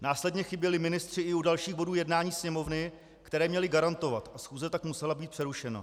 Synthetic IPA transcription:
naːslɛdɲɛxɪbjɛlɪmɪnɪst̪r̝̥ɪʔɪudalʃiːɣbo̞duːjɛdnaːɲiːsɲɛmo̞vnɪ | kt̪ɛɾɛːmɲɛlɪɡaɾant̪o̞vat̪ʔasxuːzɛt̪akmusɛlabiːt̪̚pr̥ɛɾuʃɛna̰

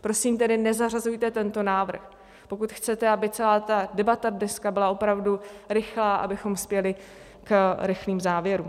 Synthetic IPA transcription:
pɾo̞simt̪ɛdɪnɛzarazujt̪ɛt̪ɛnt̪o̞naːvr̩x | po̞kut̪xt͡sɛt̪ɛabɪt͡sɛlaːt̪adɛbat̪adnɛskabɪlaʔo̞pɾavduɾɪxlaːʔa̰bɪxo̞mspjɛlɪ | kɾɪxliːmzaːvjɛɾuːm

